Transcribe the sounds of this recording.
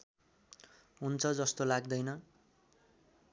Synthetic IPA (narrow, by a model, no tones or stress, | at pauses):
ɦunt͡sʰʌd͡zʌst̪olaɡd̪ʌjnʌ